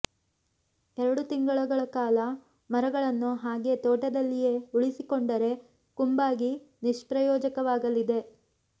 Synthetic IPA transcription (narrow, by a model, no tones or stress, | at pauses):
ɛɾɐɽut̪iŋɡɐɭuɡɐɭɐkaːlɐ | mɐɾɐɡɐɭɐnːuɦaːɡe̞t̪ɔːʈɐd̪ɐlːijeuɭisikoɳɖɐɾe̞ | kumbaːɡi | niʂpɾɐjɔːd͡ʒɐkɐʋaːɡɐlid̪e̞